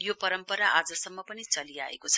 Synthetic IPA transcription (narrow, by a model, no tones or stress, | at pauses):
jopʌɾʌmpʌɾaʔad͡zʌsʌmːʌpʌnit͡sʌlia̰ḛkot͡sʰʌ